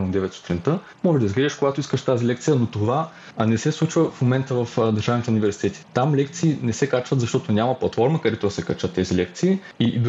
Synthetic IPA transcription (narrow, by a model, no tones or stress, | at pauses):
d̪ɛvɛt̪su̥t̪ɾint̪ə | mɔʒɛʒd̪ɐizɡliʒɛʃkoɡat̪oiskəʃt̪azilɛk̚t̪sijənot̪ova | nɛsɛslˠut͡ʃvəfmomɛnt̪əvɐfd̪ɐɾʒavnit̪ɛunivɛɾsi̥t̪ɛt̪i̥t̪amlɛkt̪siːnɛsɛkat͡ʃvət̪zɐʃt̪ɔt̪onʲamɐplˠɐt̪fɔɾməkɐd̪ɛt̪od̪ɐsɛkɐt͡ʃət̪ːɛzilɛk̚t̪siː | id̪